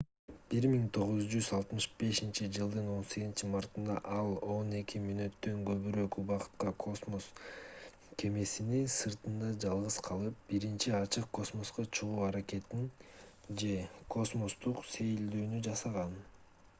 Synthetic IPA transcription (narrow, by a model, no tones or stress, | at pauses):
b̥iɾmiŋt̪ʰo̞ʁuzd͡ʒyzɑlˠt̪mɯʃbe̞ʃint͡ʃid͡ʒɯlˠd̪ɯno̞nse̞ɡzint͡ʃimɑɾt̪ɯnd̪ɑ̰ʔɑlˠo̞ne̞kʲʰimynø̞t̪ːø̞ŋɡø̞βyɾø̞kuβɑqɯ̥t̪̚qɑkʰo̞smo̞s | kʰe̞me̞sininsɯɾt̪ɯnd̪ɑd͡ʒɑlˠʁɯzqʰɑlˠɯp̚b̥iɾint͡ʃiɑt͡ʃɯq̚kːo̞smo̞sqɑt͡ʃʰuʁuːɑɾake̞t̪ind͡ʒe̞kʰo̞smo̞st̪uqse̞jild̪yːnyd͡ʒɑsɑʁɑn